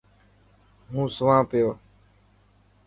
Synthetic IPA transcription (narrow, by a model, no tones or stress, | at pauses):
ɦũːsʊʋãːpɪjoː